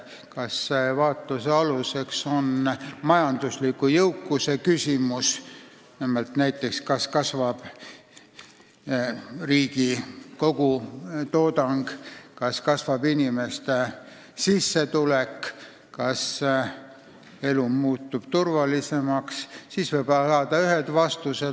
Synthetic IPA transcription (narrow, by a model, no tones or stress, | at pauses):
kɑsvɑːt̪luseɑluse̞kso̞nmɑjɑnd̪̥uslikːujɤwkˑːuse̞kysʲimus | nimelt̪næjt̪ˑːe̞kskɑskɑsvɑb̥ | riːɡiko̞ɡ̥ut̪o̞ːd̪̥ɑŋɡ̥kɑskɑsvɑbinʲime̞st̪e | sisːe̞t̪ulek | kːɑs | e̞lumuːt̪ːˑub̥t̪urvɑlise̞mɑkssisvɤjb̥sɑːd̪̥ɑyɦed̪̥vɑst̪use̞